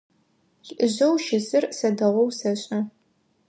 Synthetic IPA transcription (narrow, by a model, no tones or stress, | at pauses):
ɬɨʑɐwʃɪzɨrsɐdɐʁʷɔwsɐɕʼɐ